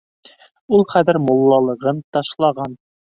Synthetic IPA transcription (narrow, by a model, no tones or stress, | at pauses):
ulˠχæðɘɾmŏlˠːɑlˠɤ̆ʁɤnt̪ɑʃlˠɑʁɑn